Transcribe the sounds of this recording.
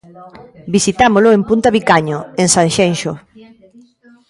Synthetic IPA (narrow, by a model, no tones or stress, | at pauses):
bisit̪amolʊempunt̪aβikaɲoensanʃenʃo